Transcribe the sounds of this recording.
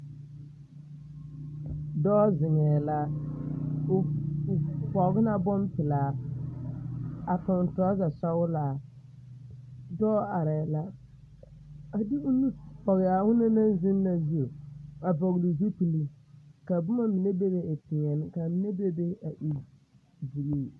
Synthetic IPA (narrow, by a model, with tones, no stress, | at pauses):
dɔː˦zɪ˨ŋɛː˨la˦˨ | pɔ˨˦ɡɪ˦na˦bɔ˦mpɪ˨laː˨ | a˨pʊ˨n˨tɔ˨˦za˨sa˦wʊ˦la˨ | dɔː˦a˨ɾɛ˨la˦ | a˨dɪ˦ʊ˦nu˦pɔ˨ɣɪ˨a˨hʊ˦na˦na˦n˦zɪ˦nː˦a˨zu˦o˨a˨bɔ˨ɣlu˨zu˦pi˨li˦ | ka˨bʊ˦ma˦mi˨ne˦be˦be˦a˨tɪ˨ɲɛ˨nɪ˦ka˨mi˨˦ne˦be˦be˦a˨ʔi˨ | bi˨ɡi˦˨